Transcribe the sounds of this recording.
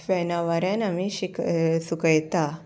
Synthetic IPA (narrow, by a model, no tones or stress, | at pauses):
fɛnaʋaɾjanamiɕiksukəjt̪a